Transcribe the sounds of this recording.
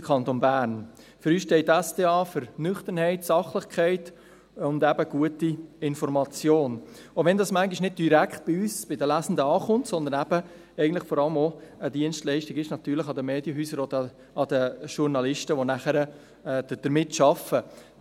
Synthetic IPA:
kʰɑnt̪onbæːɾn | fɾyːsʃtɛɪtːæsdeːɑːfʏɾnʏχt̪ənhɛɪtsɑχlɪχkʰɛɪt | ʊnd̪æb̥əɡ̥uətiɪnfɔɾmɑt͡sjoːn | oʋɛndɑsmæŋɡiʃnɪd̚d̥iɾækχt̪̚b̥ɪyːsb̥ɪdəlæsn̩dəɑːχʊntsɔnd̪ənæb̥ə | ɛɪɡən̩tləχfɔɾɑləmoəd̪iənstlɛɪʃtɪɡɪʃnɑt̪yːɾləχɑd̪əmeːd̥jəɦyːsəɾod̪ə | ɑd̪əʃʊɾnɑlɪʃtəʋonæχəɾə | ɛːd̥əd̥əɾmɪtʃɑfə

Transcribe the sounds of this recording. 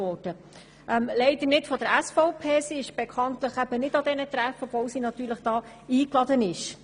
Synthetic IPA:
ɔːrd̥ə | ʔɛmlɛɪd̥̪əɾnɪtfɔd̪əɾæsfɔʊpʰeːsiɪʃb̥ɛkʰɑnt̪ləχæb̥ənɪdɑd̪ɛnət̪ɾæfɔvɔwsinɑt̪yːɾləχd̥ɑː | iːklɑd̪ənɪʃ

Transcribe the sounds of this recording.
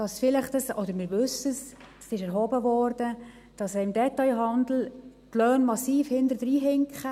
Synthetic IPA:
d̥ɑsfɪlɪχtəsɔd̪əɾmɪɾʋɵsəs | sɪʃɛɾɦɔːbəvɔːɾdə | d̥ɑsɛɪmdɛtɑɪɦɑnd̪l̩t̪lœːnmɑsiːfhɪnd̪əɾdɾiːɦɪŋkχə

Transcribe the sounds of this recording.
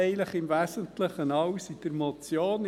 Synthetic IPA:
ɪləχɪmvæsəntləχənɑwsid̥̪əɾmot͡sjoːn

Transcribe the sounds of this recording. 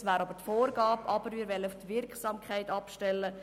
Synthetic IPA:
sʋæːɾɑbəɾtfoːrɡɑːbpɑb̥əɾmɪːɾʋɛlːəuft̪ʋɪrkχsɑːmkχaɪtɑpʃtɛlːə

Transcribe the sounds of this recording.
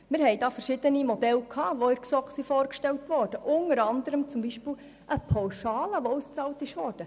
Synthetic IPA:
mɪɾɦɛjdɑːfɛɾʃɪd̪ənimɔdɛlkʰhɑːʋoɪɾksɔksifɔːɾkʃtɛltʋɔːɾd̥əʔʊnəɾɑnd̪əɾəmt͡sʊmbiʃpɪːl | ʔəpʰawʃɑːləʋoust͡sɑːltɪʃʋɔːɾd̥ə

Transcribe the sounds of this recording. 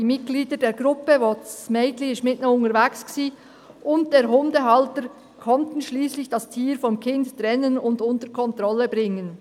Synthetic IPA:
diːmɪt̚ɡ̥liːdədeːɾɡʁʊpəvosmɛɪtliʃmɪtnəʊŋəɾvɛksksiː | ʔʊnt̚d̥eːɾɦʊndəɦɑltəɾ | kʰɔntn̩ʃliːslɪçd̥ɑstʰiːɾfɔmkʰɪnttrɛnənʊndʊntəɾkʰɔntrɔləbʁɪŋən

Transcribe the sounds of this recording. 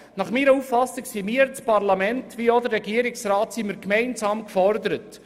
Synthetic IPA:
nɑχmiːɾəufːɑsiksimiəɾt͡spɑrlɑmɛntʋiod̪əːɛɡiəɾiksrɑːtsiməɾkmɛɪnsɑːmkfɔɾd̪əɾət

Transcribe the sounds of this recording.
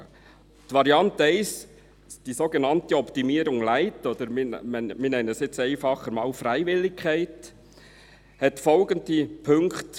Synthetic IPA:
tʋɑɾiɑntɛɪs | d̥isoɡenɑntiɔpt̪imiːəɾʊŋlæɪtod̥̪əɾmmɛminɛnənɛsjɪt͡sɛɪfɑχːəɾmɑːlfɾæɪvɪlːɪkʰæɪt | hɛtfɔlɡənd̪ipʰɵŋkt

